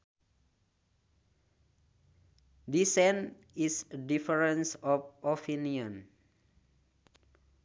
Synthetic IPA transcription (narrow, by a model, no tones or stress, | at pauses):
disɛn | isədifəɹə̃nsɔfɔfʰiniɔ̃n